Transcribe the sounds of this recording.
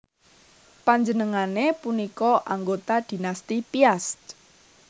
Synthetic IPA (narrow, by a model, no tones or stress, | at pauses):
paɲd͡ʒənəŋanepunikɔʔaŋɡot̪ad̪̥i̤nast̪ipiast̪